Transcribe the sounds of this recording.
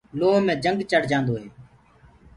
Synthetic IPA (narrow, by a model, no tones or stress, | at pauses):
loːɦmẽːd͡ʒəŋɡt͡ʃəɽd͡ʒãːnd̪oːɦeː